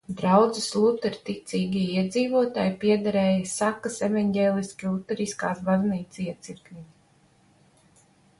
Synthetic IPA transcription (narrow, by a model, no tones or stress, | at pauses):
d̪ɾawd̪zɨslˠut̪ɛɾt̪it̪sʲiːɡʲiiɛd̪ziːvuɔt̪a̰ːjpiɛd̪aɾɛːjasakəsevanɟʲeːlˠiskʲilˠut̪ːɛɾiska̰ːsbazniːt̪siɛt̪siɾkmʲiɲ